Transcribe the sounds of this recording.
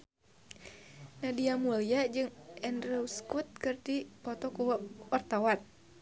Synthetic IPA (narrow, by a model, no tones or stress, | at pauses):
nadiamulijad͡ʒɨŋɛndɾɛuskut̪̚kɨrdipɔt̪ɔkuwwart̪awan